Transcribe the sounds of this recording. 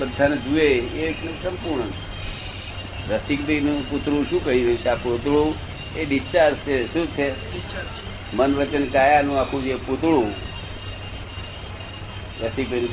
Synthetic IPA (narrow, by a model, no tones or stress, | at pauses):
bəd̪ʱːaned͡ʒueeksəmpuɾɳəe | ɾəst̪ik̚benũput̪ɾũʃũkəɦiɾəit͡ʃʰeaput̪ɭũ | eɗist͡ʃaɾst͡ʃeʃũt͡ʃʰe | mənʋət͡ʃənkajanũakʰũd͡ʒeput̪ɭũ | ɾəst̪ik̚benũ